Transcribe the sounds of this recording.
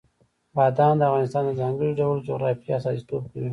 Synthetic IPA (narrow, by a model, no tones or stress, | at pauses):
bɑd̪ɑnd̪əavɣɑnɪst̪ɑnd̪əzɑŋɡəɽoɖawlod͡ʒʊɣɾɑfiasɑsi̥t̪ob̚kawi